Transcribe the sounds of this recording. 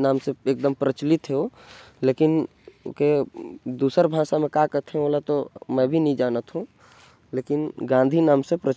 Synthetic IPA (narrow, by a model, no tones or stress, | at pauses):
naːmseeːk̚d̪əmpɾət͡ʃlɪt̪ɦeoleːkɪn | o̰ked̪uːsəɾbʱaːsamẽkakət̪ʰeoːlat̪omɛ̃ːbʱinəɦĩd͡ʒaːnət̪ɦũ | leːkɪnɡãːnd̪ʱinaːmsepɾə